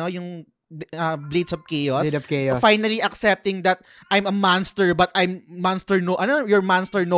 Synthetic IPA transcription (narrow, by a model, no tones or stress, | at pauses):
ojʊŋ | ɐblid̪sɔvkɛjoskɛfajnɐliʔɐksɛp̚t̪ɪ̃ŋd̪ɐt̪̚ | ʔajmɐmanst̪ɛɹbɐt̪ɐjmːanst̪ɛɹnoʔɐnojɔɹmanst̪ɛɹno